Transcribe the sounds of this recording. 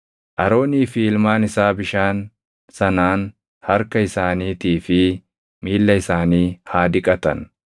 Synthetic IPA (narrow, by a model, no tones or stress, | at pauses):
ʔɐɾo̞ːniːfɪɪlmaːnɪsaːbɪʃaːn | sɐnaːn | hɐɾkɐɪsaːniːt̪iːfɪ | miːlːɐɪsaːniːhaːd̪ɪkʼɐt̪ɐ̰n